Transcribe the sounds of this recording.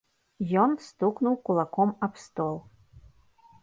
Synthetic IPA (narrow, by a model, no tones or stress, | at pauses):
jɔnst̪uknuwkulˠakɔmapst̪ɔlˠ